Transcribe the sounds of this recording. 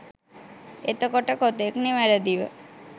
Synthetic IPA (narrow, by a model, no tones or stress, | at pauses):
et̪okɔʈəkot̪ekniʋaɾəd̪iʋə